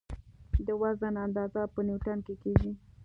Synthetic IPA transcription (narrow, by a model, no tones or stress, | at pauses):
d̪əwazanand̪ɑzapəniwʈankekeɡi